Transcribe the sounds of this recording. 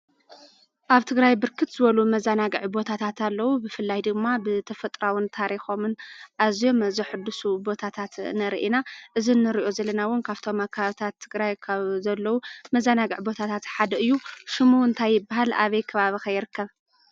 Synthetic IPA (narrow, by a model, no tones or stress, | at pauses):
ʔaβt̪ʰɨɡɾajbɨɾkʰɨt̪z̥ɨβɐlumɐzanaɡɨʕbo̞t̪ʰat̪ʰat̪alːɐwubɨfɨlːajd̪ɨɡmːabɨt̪ʰɐfɐt̪ʼɾawɪnt̪ʰaɾixo̞mɨnʔazijo̞mzɨħɨd̪ːusubo̞t̪ʰat̪ʰat̪nɐɾʔinaʔɨzinːɨɾiʔo̞zɐlɐnawʊnkʰaβt̪ʰo̞makʰːɐβaβit̪ʰat̪ʰːɨɡɾajkʰaβzɐlːɐwumɐzanaɡɨʕbo̞t̪ʰat̪ʰat̪ħad̪ɐɨjːuʃɨmuɨnt̪ʰajːɪbːaɦalʔa̰βɐjkʰɐβaβixɐjːɪɾɨkːɐβ